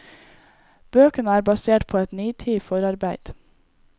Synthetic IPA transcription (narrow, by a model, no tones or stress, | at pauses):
b̥øːkənəæːɾbɑseːʈpʰoːɛt̪nyːt̪ʰiːfɔɾɑɾbæɪd̪̥